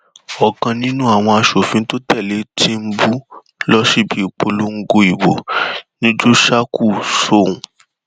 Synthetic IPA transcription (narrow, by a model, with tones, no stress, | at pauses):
ɔ˨kã˧nĩ˦nũ˦a˦˨w̃ɔ̃˧a˧ʃo˨fĩ˨˦to˦tɛ˦˨le˨˦tʰi˦m̩˦bu˦ | lɔ˦ʃi˦˨bi˨˦i˦˨k͡po˧lu˦ŋ̩˦ɡo˧i˨bo̰˨nĩ˦d͡ʒu˦ʃa˦kʰu˦˨so˦˨ũ˨